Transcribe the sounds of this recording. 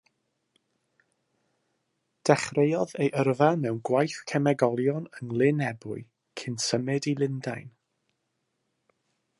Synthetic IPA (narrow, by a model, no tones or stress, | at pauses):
d̥ɛχrejɔðejʔərvamɛwnɡwajθkʰɛmɛɡɔlˠjɔnəŋlˠɪnɛbʊɨ | kʰɪnsəmɛdilˠɪndajn